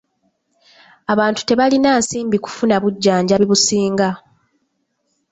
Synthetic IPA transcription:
aβaːntu̥te̞βalinaːnsiːmbiku̥funaβuɟːaːɲɟaβiβusiːŋɡa

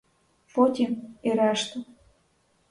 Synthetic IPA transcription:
fot̪ʲieɾɑʃt̪ŏ

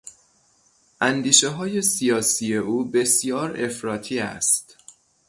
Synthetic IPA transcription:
ʔænd̪iːʃe̞ɦɒːje̞sijɒːsiːje̞uːbe̞sjɒːɾe̞fɾɒːt̪ʰiːæ̰st̪

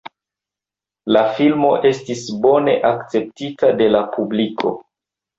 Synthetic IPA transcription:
lafilmo̞ʔe̞stisbo̞ne̞ʔakt͡se̞p̚titade̞lapubliko̞̰

